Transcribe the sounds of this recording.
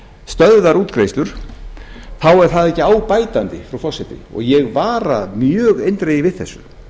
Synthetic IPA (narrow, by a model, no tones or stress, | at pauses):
st̪œððaɾuːt̪kɾejst̪ʏɾ̥ | θawɛɾ̥θaðɛhcːɪaːwpaːjt̪ant̪ɪfɾawfɔsɛt̪ɪ̰ɔ̰ɣjɛɣvaːɾa̰mjœːɣejnt̪ɾejɪvɪðθɛsːʏ̰